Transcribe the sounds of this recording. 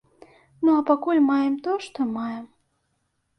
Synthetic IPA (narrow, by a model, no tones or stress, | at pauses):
nuapakulʲmɑjɛmt̪oʂt̪ɔmɑjɛm